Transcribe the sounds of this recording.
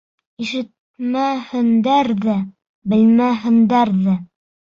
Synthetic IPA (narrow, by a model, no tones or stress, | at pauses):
iʃɘ̆t̪̚ | mæhɘ̆nd̪æɾðæ | bɘ̆lmæɦɘ̆nd̪æɾðæ